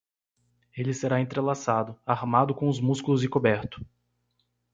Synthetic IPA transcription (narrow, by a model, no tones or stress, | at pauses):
elɪseɾaẽnt̪ɾelasad̪ʊaɾmad̪ʊkõʊzmuskulʊzɪkobɛɾt̪ʊ̥